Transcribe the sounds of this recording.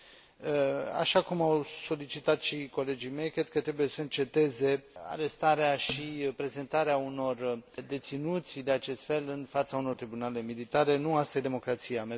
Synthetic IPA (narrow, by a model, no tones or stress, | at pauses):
a̰ʃakumawso̞lit͡ʃit̪at̪ʃiko̞le̞d͡ʒime̞jkɾe̞d̪̚kət̪ɾe̞bujesəɨnt͡ʃe̞t̪e̞ze̞a̰ɾe̞st̪aɾeaʃipɾe̞ze̞nt̪aɾeauno̞rd̪e̞t̪sinut̪sʲd̪eat͡ʃe̞st̪fe̞lɨnfat̪sauno̞rt̪ɾibunale̞milit̪aɾe̞nuast̪ajed̪e̞mo̞kɾat̪sijame